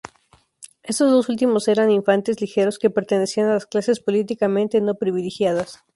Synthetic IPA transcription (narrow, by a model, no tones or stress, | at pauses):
e̞st̪o̞zðo̞sult̪imo̞se̞ɾaniɱfant̪ezlixe̞ɾo̞ske̞pe̞ɾt̪e̞ne̞sianalasklase̞spo̞lit̪ikamẽnt̪eno̞pɾiβilixjað̞as